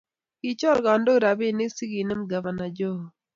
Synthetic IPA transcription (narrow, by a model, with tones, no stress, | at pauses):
ki˨t͡ʃɔ˦lɡa˨ndo˦˨ɾa˨bɪ˦˨nɪ˦si˦ɡi˨nɛ˦mɡa˨va˨na˨d͡ʒɔ˦˨